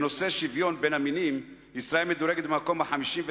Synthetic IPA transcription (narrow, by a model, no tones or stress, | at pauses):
no̞seʃivjo̞nbenaminim | isɾaelmed̪uɾe̞ɡet̪bemako̞maħamiʃimve